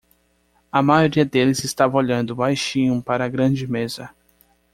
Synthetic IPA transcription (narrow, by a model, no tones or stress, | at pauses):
ɐmajoɾiɐd̪elɪzɪst̪avɐ̃oʎɐ̃nd̪ʊbajʃĩɲʊ̃paɾɐɡɾɐ̃d͡ʒɪmezɐ